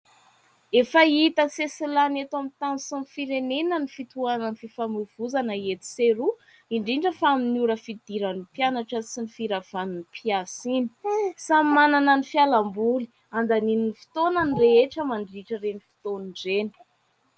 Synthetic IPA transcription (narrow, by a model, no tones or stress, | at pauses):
efəit̪əsesilanet̪amit̪ansumifiɾenenənifit̪uanənififamuv̥uzanəet̪i̥seɾu | iɳɖ͡ʐiɳɖ͡ʐəfaaminiuɾəfid̪iɾanipjanaʈ͡ʂəsinifiɾav̥aninipʰiasini̥sammananənifialambuli̥ | and̪anininifi̥t̪onənreeʈ͡ʂəmaɳɖ͡ʐiʈ͡ʂəɾenifi̥t̪oniɳɖ͡ʐeni̥